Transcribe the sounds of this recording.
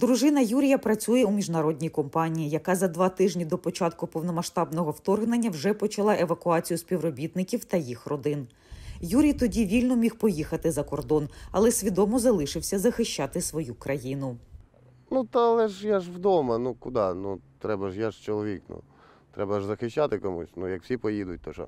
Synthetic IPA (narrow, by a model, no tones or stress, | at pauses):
d̪ɾʊʒɪnɐjuɾʲijɐpɾɐt͡sʲujɛumʲiʒnɐɾɔdʲnʲijkɔmpɑnʲijijɐkɑzɐd̪ʋɑt̪ɪʒnʲid̪ɔpɔt͡ʃɑt̪kʊpɔwnɔmɐʃt̪ɑbnɔɦɔwt̪ɔrɦnenʲːɐwʐɛpɔt͡ʃɐlˠɑʔe̞ʋɐkʊɑt͡sʲijʊsʲpʲiwrɔbʲit̪nɪkʲiwt̪ɐjixrɔd̪ɪn | juɾʲijt̪ɔdʲiʋʲilʲnɔmʲixpɔjixɐt̪ɪzɐkɔrd̪ɔnɐ̰lˠɛsʲʋʲid̪ɔmɔzɐlˠɪʃɪwsʲɐzɐxɪʃʲt͡ʃːɑt̪ɪsʋɔjukɾʔɐjinʊ | nut̪ɐlˠɛʒjaʒwd̪ɔmɐnukʊd̪ɑnut̪ɾɛbɐʒjaʒt͡ʃɔlˠɔʋʲiknṵ | t̪ɾɛbɐʒzɐxɪʃt͡ʃːat̪ɪkɔmṵsʲnujɐkw̥sʲipɔjid̪ʊt̚ʲt̪ɔʃɔ̰